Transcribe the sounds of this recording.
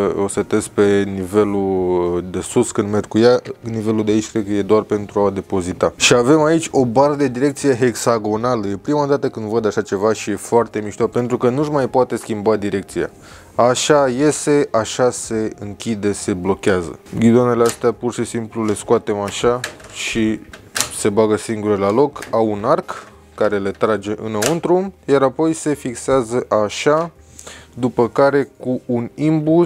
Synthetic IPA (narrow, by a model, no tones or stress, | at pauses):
osət̪e̞spe̞nive̞lud̪e̞suskɨnd̪merkujanive̞lud̪eait͡ʃʲkɾed̪̚kəje̞d̪oarpe̞nt̪ɾuad̪e̞po̞zit̪aʃiave̞mait͡ʃʲo̞baɾəd̪e̞d̪iɾe̞k̚t̪sije̞ɦe̞ksaɡo̞naləj̪e̞pɾimad̪at̪əkɨnd̪vəd̪aʃat͡ʃe̞vaʃije̞foart̪e̞miʃt̪orpe̞nt̪ɾukənuʒmajpoat̪e̞skʲimbad̪iɾe̞k̚t̪sija̰ | aʃaje̞se̞aʃase̞ɨŋkʲid̪e̞se̞blo̞kʲeazə̰ɡʲid̪one̞least̪eapurʃisimplule̞skuoat̪e̞maʃaʃi | se̞baɡəsiŋɡuɾelalo̞kawunarkː | aɾe̞le̞t̪ɾad͡ʒe̞ʔɨnəunt̪ɾujaɾapo̞jse̞fikseazəʔaʃa | d̪upəkaɾe̞kuːnimbuz